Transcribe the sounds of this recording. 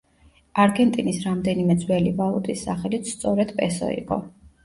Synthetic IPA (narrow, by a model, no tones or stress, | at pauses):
aɾɡɛnt̪ʼinisɾamd̪ɛnimɛd̪zwɛlivalˠut̪ʼisːaχɛlit̪st̪sʼɔɾɛd̪pʼɛsɔ̰ḭqʼɔ̰